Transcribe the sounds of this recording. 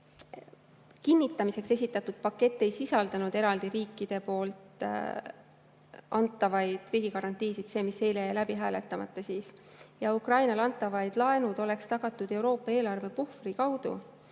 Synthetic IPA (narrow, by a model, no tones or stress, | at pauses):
kinːit̪ˑːɑmise̞kse̞sit̪ːˑɑt̪ːˑud̪̥̚pɑkːe̞t̪ːe̞jsisɑld̪ɑnud̪e̞ɾɑld̪̥iɾiːkːˑid̪̥e̞po̞ːlt̪ | ʔɑnt̪ːˑɑvɑjd̪̥riːɡ̥ikɑɾɑnt̪iːsid̪̥se̞ːmisːe̞jlejɑlæbiɦæːle̞t̪ːˑɑmɑ̰t̪ːˑɑsiːsjɑukrɑjnɑlɑnt̪ːˑɑvɑjd̪̥lɑe̞nud̪̥o̞le̞kst̪ɑɡ̥ɑt̪ːˑud̪̥e̞wɾo̞ːpːˑɑe̞ːlɑrve̞puhfrikɑwd̪̥ṵ